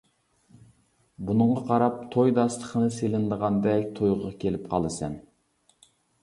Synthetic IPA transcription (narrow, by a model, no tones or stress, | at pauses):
bunɨɴʁɑqʰɑɾɑp̚t̪ʰojd̪ɑst̪ˠə̥χənɨselɪnd̪əʁɑnd̪ɛkʲt̪ʰojʁʁɑkʲʰelɪpqʰɑlˠɨsɛn